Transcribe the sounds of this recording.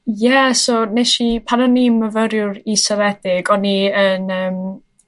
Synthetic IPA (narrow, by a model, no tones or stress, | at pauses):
jɛsonɛʃipʰanɔniməvəɾjʊɾisəvɛd̥ɪɡɔniənəːm